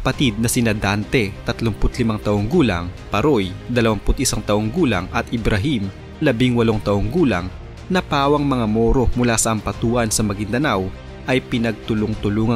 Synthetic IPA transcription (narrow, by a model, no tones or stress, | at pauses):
ɐpɐt̪id̪̚nɐsɪnɐd̪ant̪ɛt̪ɐt̪lʊmpʊt̪lɪmaŋt̪ɐʔoŋɡuːlɐ̰ŋpɐɾojd̪ɐlɐwɐmpʊt̪̚ʔɪsaŋt̪ɐʔo̞ŋɡuːlɐ̰ŋɐt̪ɪbɾɐɦim | lɐbiŋwɐlo̞ŋt̪ɐʔoŋɡuːlɐ̰ŋ | nɐpaːwɐŋmɐŋamo̞ːɾo̞mʊlaːsɐʔɐmpɐt̪uːʔɐnsɐmɐɡiŋd̪ɐnaw | ʔɐjpɪnɐɡ̚t̪ʊlʊŋt̪ʊluːŋɐ